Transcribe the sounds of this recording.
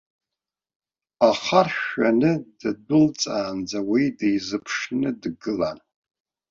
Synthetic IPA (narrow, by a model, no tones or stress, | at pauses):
aχarʃanɨd̥ɨdʊlt͡sʼaːnd͡zawijdejzɨpʰʂnɨdɡɨlan